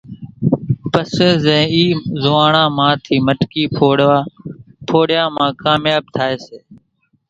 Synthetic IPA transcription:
pəseːzɛ̃ːiːzʊʋaːɳãːmãːt̪ʰiːməʈkiːpʰoːɽaːpʰoːɽjãːmãːkaːmjaːb̚t̪ʰaːeːseː

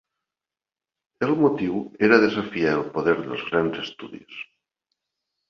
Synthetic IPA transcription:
əlˠmut̪iweɾaðezafiaəlˠpoðɛɾðə̰lˠzɣɾanzəst̪ṵðḭs

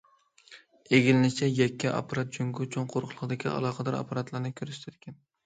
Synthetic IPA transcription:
eɡʲilɪnɪt͡ʃʰɛjɛkʲːiʔɑ̰pːɑɾɑt̪̚d͡ʒyŋɡʲut͡ʃʰoŋqʰoɾqʰχlˠəqd̪ɪkʲiʔɑ̰lˠɑːqʰəd̪ɑɾɑ̰pʰːɑɾɑt̪lˠɑɾnɨkʲʰøɾyst̪ʰɛd̪ɪ̥kʲʰɛn

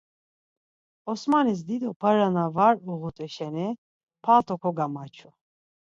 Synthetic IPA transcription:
ɔsmanis̬d̪id̪ɔpʰəɾanavaɾuɣut̪ʼɛʃɛnɛ | pʰat̪ʰʼɔkʰɔɡamat͡ʃʰu

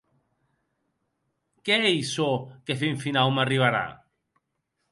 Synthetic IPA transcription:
keejsokefiɱfinawmariβ̞aɾa̰

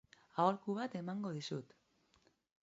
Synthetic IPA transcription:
aolkuβat̪e̞maŋɡo̞ð̞isut̪

